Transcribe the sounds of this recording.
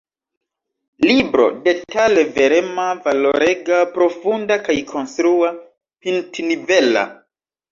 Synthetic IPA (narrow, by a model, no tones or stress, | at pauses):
libɾo̞̰de̞tale̞ve̞ɾemavalo̞ɾeɡapɾo̞fundakajkʰo̞nstɾua | pintnivela̰